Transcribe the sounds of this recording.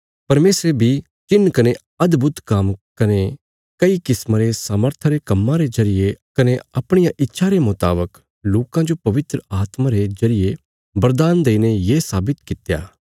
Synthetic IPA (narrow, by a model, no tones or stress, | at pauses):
pɐɾmeːsɾebʱi | t͡ʃɪnːkɐne | ɐd̪bʱʊt̪kɐmkɐne | kɐikɪsmãɾesaːməɾt̪ʰaɾekɐmːãɾezɐɾɪjekɐneɐpɽ̃ɪjãʔɪtːʃʰaɾemʊt̪a̰ːbək | loːkãd͡ʒopɐʋɪt̪ɾəaːt̪mãɾezɐɾɪje | bɐɾd̪aːnd̪eːinejeːsaːbɪt̪kɪt̪ja̰ː